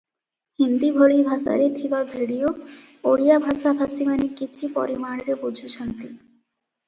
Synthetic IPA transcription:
hind̪ibʱoɽibʱasa̰ɾet̪ʰibabʱiɽijo | oɽijabʱasabʱasimanikit͡ɕʰipɔ̰ɾimaɽ̃ɾebod͡ʑʱut͡ɕʰɔnt̪i

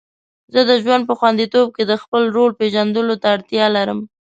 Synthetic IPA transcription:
zəd̪əʒwand̪̚pəxwand̪it̪ob̚ked̪əxpəlɾolpeʒand̪əlot̪aːɽt̪jɑlaɾəm

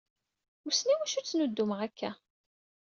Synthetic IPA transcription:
ʊsniwæʃut͡sːnʊd̪ːuməʁækːæ

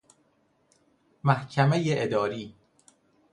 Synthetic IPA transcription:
mæhcʰæmejeʔed̪ɒːɾiː

